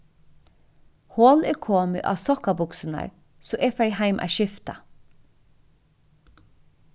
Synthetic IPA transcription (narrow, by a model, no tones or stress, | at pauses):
hoːlɛɹkʰoːmɪ̰ʔɑ̰ːʋsɔkːabʊksɪna̰ɹ | sɔʔɛfɛɹɦæɪmʔæ̰ːʃɪft̪a